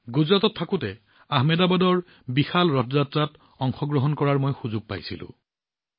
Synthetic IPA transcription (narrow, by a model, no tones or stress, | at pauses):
ɡuzɹatɔtʰːakʊtɛ | aɦmɛdabadɔɹ | bixalɹɔtʰɔzatɹat | ɔŋxɔɡɹɔɦɔnkɔɹaɹmojxuzʊɡ̚pa̰jsḭlʊ̰̃